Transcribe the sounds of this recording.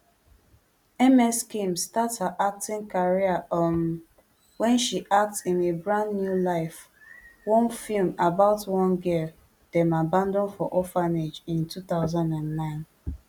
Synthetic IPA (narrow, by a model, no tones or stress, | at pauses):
ɛmɛskĩmstathəʔak̚tɪ̃ŋkaɹiaʔɔm | wɛ̃nʃiʔak̚tĩnebɹãnːjulaɪf | wɔ̃nfilmabaʊtwɔ̃nɡi | d̥ɛ̃mabãndɔ̃nfɔʔɔfaned͡ʒĩntuθaʊzãndãnːãɪ̃n